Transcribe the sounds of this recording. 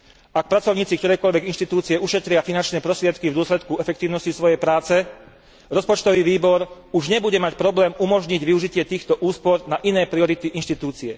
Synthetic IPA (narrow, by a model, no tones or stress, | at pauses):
ak̚pɾat͡sɔʊɲiːt͡sikt̪ɔɾɛːkɔʎʋɛɡinʃt̪it̪uːt͡siɛuʃɛt̪ɾɪafinant͡ʃnɛːpɾɔst̪ɾɪɛt̪kivd̪ʊɔslɛt̪kuɛfɛkt̪iːʊnɔscisʋɔjɛjpɾaːt͡sɛ | ɾɔspɔt͡ʃt̪ɔʋiʋiːbɔɾ | uʒɲɛbuɟɛmacpɾɔblɛːmumɔʒɲiɟʋiuʒicɪɛt̪iːxt̪ɔʔuːspɔɾnaʔinɛːpɾiɔɾit̪iʔinʃt̪it̪uːt͡siɛ